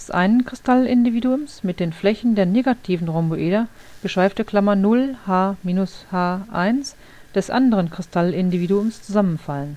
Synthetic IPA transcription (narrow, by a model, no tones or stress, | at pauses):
d̥ɛsʔa̰ɪnənkʁ̥ɪstalɪndiviːduʊmsmɪt̚d̥eːnflɛçn̩deːɐneːɡatʰiːvn̩ʁɔmboʔeːdɐ | ɡ̥əʃv̥aɪftəkl̥amanʊlhaːmiːnʊshaːʔaɪns | d̥ɛsʔa̰ndəʁənkʁ̥ɪstʰalɪndiviːduʊmst͡suzamənfalən